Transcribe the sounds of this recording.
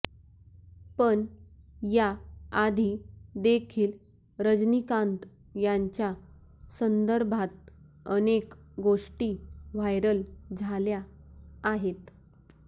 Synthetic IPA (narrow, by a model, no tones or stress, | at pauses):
pəɳjaad̪ʱid̪ekʰiːl | ɾəd͡ʑnikãnt̪ | jaɲt͡ɕja | sənd̪əɾbʱat̪̚ | ənekɡoʂʈiːʋajɾəld͡zʱaljaː | ɦet̪